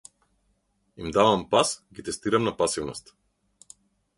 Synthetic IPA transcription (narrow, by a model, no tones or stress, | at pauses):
imd̪avampasɡit̪ɛst̪iɾamnapasivnɔ̰st̪